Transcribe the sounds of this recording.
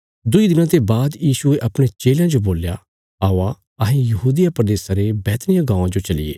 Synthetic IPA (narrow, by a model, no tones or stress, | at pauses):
d̪ʊid̪ɪnãt̪ebaːd̪jiːsueʔɐpɽ̃et͡ʃeːljãd͡ʒoboːlja | aːa | ɐɦĩjɐɦuːd̪ɪjapɾɐd̪eːsãɾebɛːt̪nɪjãɡãːãd͡ʒot͡ʃɐlɪ̰ḛː